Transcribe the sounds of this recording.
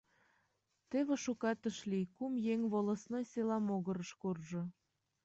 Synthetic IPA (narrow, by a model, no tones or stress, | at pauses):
t̪eβĕʃukɑt̪ə̆ʃlikumjeŋβolˠə̆snojselɑmoɣə̆ɾə̆ʃkorʒɤ̆